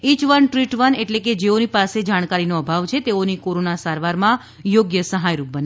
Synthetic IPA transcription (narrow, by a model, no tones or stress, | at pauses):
it͡ʃʋənʈɾiʈʋəneʈleked͡ʒeonipased͡ʒaɽ̃kaɾinoəbʱaʋt͡ʃʰet̪eonikoɾonasaɾʋaɾmã | joɡjəsəɦajɾup̚bəne